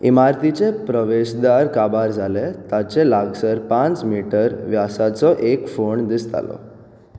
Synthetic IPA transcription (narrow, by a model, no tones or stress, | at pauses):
ḭmaɾt̪it͡sepɾəʋeɕd̪aɾkabaɾd͡zʱalet̪at͡ɕelaɡsəɾpãt͡smiʈəɾʋjasat͡sɔʔekfoɳd̪ist̪a̰lɔ̰